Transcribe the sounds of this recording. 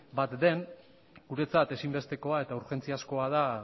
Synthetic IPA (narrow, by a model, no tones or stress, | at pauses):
bat̪d̪e̞n | ɡ̥uɾe̞t͡sat̪e̞simbe̞st̪e̞ko̞ae̞t̪auɾxe̞nt͡siasko̞aða